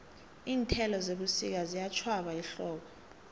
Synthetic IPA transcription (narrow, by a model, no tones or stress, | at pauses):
iːntʰɛlɔzeɓusḭk̬azijat͡ʃʰwaɓaiɬɔːɓɔ